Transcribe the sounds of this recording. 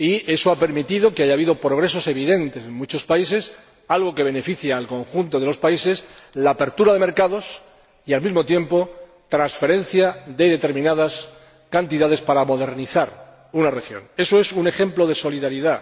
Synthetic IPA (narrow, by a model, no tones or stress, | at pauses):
ie̞soape̞ɾmit̪iðo̞keaʝaːβ̞iðopɾoɣ̞ɾe̞s̬o̞se̞β̞iðe̞nt̪e̞se̞ŋmut͡ʃo̞spais̬es | alɣ̞o̞ke̞β̞e̞ne̞fiθjaːlko̞ŋxunt̪o̞ðelo̞spaise̞slaːpe̞ɾt̪uɾað̞e̞me̞ɾkaðo̞s | ialmizmo̞t̪je̞mpo̞ | t̪ɾansfe̞ɾẽ̞n̟θjad̪e̞ðe̞t̪e̞ɾmĩnað̞as | kant̪iðað̞e̞spaɾamo̞ðe̞ɾniθaɾ | unare̞xjo̞̰ŋe̞so̞e̞sune̞xe̞mplo̞ð̞e̞so̞liðaɾiða